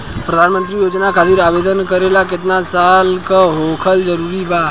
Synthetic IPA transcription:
pɾəd̪ʱanmə̃nt̪ɾijoːd͡ʒnakʰat̪iɾaʋed̪ənkəɾelakɪt̪nasalkaɦokʰəld͡ʒəɾuːɾiba

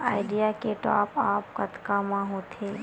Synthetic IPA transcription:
aːɪɖijakeʈa̰ːpaːpkət̪kamãɦoːt̪ʰeː

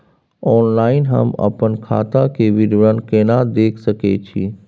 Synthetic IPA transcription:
ɔːnlaːɪnɦə̰mɐ̰pənkʰa̰ːt̪akeʋɪɾʋɾənkeːnad̪eːkʰsəket͡ʃʰiː

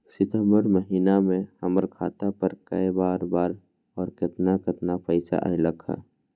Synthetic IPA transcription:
sɪt̪əmbəɾməɦiːnamẽhəməɾkʰaːt̪apəɾkəjbaːɾbaːɾ | ɔːɾkɪt̪nakɪt̪napəɪsa̰ʔə̰iləkʰa̰ː

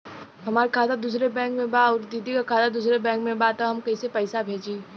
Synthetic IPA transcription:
ɦɐmaːɾekʰaːt̪ad̪uːsɾebɛ̃ːŋkmẽbaɔːɾd̪iːd̪ikakʰaːt̪ad̪uːsɾebɛ̃ːŋkmẽbat̪aɦɐmkɐisepɛɪsabʱeːd͡ʒiː

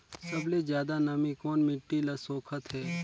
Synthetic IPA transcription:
sɐbled͡ʒjaːd̪anɐmikoːnmɪʈːilɐsoːkʰət̪ɦɛː

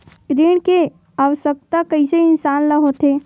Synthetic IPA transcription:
ɾiːɽ̃ke | aːʋəʃək̚t̪akɐiseɪnsaːnləɦot̪ʰeː

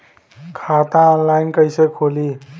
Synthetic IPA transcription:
kʰat̪ãɔnlajnkəjsekʰoli

